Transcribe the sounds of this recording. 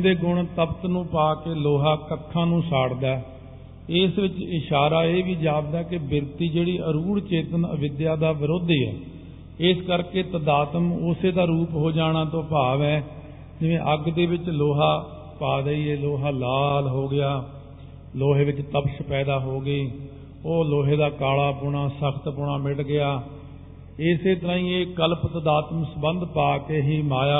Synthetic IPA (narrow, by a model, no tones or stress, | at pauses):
d̪eːɡʊɳt̪əbt̪nũːpaːkeːloːɦaːkəkʰːãːnũːsaːɽd̪aɛ | ɪsʋɪt͡ʃɪʃaːɾaːeːʋiːd͡ʒaːb̚d̪aːkɪbɪɾt̪iːd͡ʒeːɽiːʔəɾuːɽt͡ʃeːt̪ənə̰ʋɪd̪jaːd̪aːʋɪɾoːd̪iːɛ̰ː | ɪskəɾkeːt̪əd̪aːt̪əmʊseːd̪aːɾuːpɦoːd͡ʒaːɽ̃aːt̪õːpaːʋɛː | d͡ʒɪʋḛ̃ːʔəɡd̪eːʋɪt͡ʃloːɦaː | paːd̪əːiːeːloːɦaːlaːlɦoːɡɪjaː | loːɦeːʋɪt͡ʃt̪əpʃpɛːd̪aːɦoːɡəiː | oːloːɦeːd̪aːkaːlaːpʊɽ̃aːsəkʰt̪pʊɳaːmɪʈɡɪaː | ɪseːt̪əɾãːĩːeːkəlpt̪əd̪aːt̪əmsəbənd̪paːkeːɦiːmaːjaː